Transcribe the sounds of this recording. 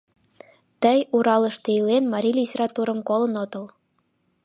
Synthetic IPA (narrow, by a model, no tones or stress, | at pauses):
t̪ɘ̆juɾɑlˠɤ̆ʃt̪ĕilʲenmɑɾʲilʲitʲerɑt̪uɾɤ̆mkolˠɤ̆not̪ɤ̆lˠ